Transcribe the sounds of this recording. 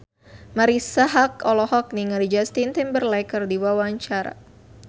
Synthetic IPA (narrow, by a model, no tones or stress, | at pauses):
maɾisaɦakɔlɔhɔk̚niŋalid͡ʒast̪int̪imbərlɛkərdiwawaɲt͡ʃaɾa̰